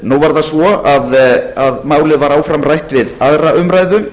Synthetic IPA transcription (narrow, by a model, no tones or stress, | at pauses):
nuwvaɾðasvɔaðaðmaːwlɪvaɾaːwfɾamrajht̪vɪðaðɾaʏmɾaːjðʏm